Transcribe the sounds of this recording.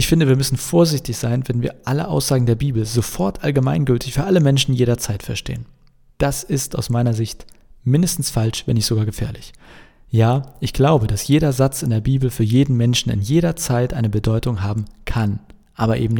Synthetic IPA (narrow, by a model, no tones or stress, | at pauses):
ʔɪçfɪndəviːɐmʏsn̩foːɐzɪçtɪçz̥aɪnvɛnviːɐʔalə̰ʔa̰ʊsz̥aːɡŋ̩deːɐbiːbl̩zofɔɐtʰʔalɡəmaɪnɡʏltɪçfyːɐʔaləmɛnʃn̩jeːɾɐt͡saɪtfɛɐʃtḛːən | d̥asɪsta̰ʊsmaɪnɐzɪçtmɪndəstn̩sfalʃv̥ɛnɪçz̥oɡaːɡəfɛ̰ːɐlɪç | jaːʔɪçɡ̥laʊbədasjeːɾɐzat͡sɪndeːɐbiːbl̩fyːɐjeːdn̩mɛnʃn̩ɪ̰njeːɾɐt͡saɪtʔaɪnəbədɔʏtʊŋɦaːbm̩kʰan | ʔaːbɐʔḛːbm̩n